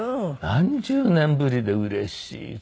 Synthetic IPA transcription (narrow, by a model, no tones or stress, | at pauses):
hãɲd͡ʑɨːnẽ̞mbɯɾʲid̪e̞ɯɾe̞ɕḭ